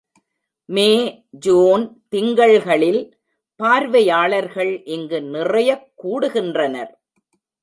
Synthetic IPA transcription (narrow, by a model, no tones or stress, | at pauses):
meː | d͡ʒoːnt̪ɪŋɡɐɭɣɐɭɪl | paːɾʋɐjaːɭɐɾɣɐɭʔɪŋɡɯnɪrɐjɐkːuːɽɯɣɪndrɐnɐɾ